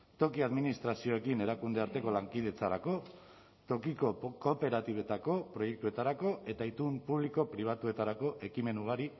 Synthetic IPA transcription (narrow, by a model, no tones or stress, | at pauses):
t̪o̞kiaðminist̪ɾasio̞e̞kine̞ɾakund̪e̞aɾt̪e̞ko̞laŋkiðe̞t͡saɾako̞ | t̪o̞kiko̞ko̞pe̞ɾat̪iβe̞t̪ako̞pɾo̞je̞k̚t̪ue̞t̪aɾako̞e̞t̪ait̪umpuβliko̞pɾiβ̞at̪ue̞t̪aɾako̞ʔe̞kime̞nuɣ̞aɾi